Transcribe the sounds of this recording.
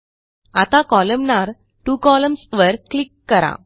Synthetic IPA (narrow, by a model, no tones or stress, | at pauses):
at̪ãkɔləmnaɾ | ʈuːkɔləmsʋəɾklikːəɾa̰